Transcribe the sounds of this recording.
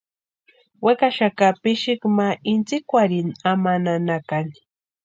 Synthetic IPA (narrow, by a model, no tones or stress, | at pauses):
wekaʃakapɪʃɪkmaʔɪnt͡sɪkwaɾɪnamananakan